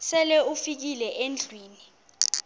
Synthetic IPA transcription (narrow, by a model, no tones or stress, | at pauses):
sɛlɛufik̬ilɛʔend͡ɮʱwiːni